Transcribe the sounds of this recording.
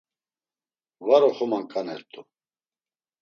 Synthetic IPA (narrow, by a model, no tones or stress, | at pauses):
vaɾɔχɔmankʼanɛɾt̪ʼu